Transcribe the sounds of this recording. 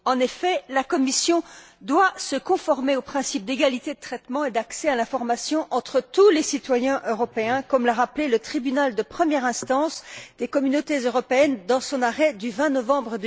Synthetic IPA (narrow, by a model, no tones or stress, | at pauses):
ɑ̃nefɛlakɔmisjɔ̃ | d̪wasəkɔ̃fɔʁmeopχɛ̃sip̚d̪eɡalit̪ed̪ət̪χɛt̪mɑ̃ed̪aksɛalɛ̃fɔʁmasjɔ̃ʔɑ̃t̪χət̪ulesit̪wajɛ̃ʔøʁɔpeɛ̃kɔmlaʁaplelət̪χibynald̪əpχəmjɛʁɛ̃st̪ɑ̃sd̪ekɔmynot̪ezøʁɔpeɛnd̪ɑ̃sɔ̃naʁɛd̪yvɛ̃nɔvɑ̃bʁəd̪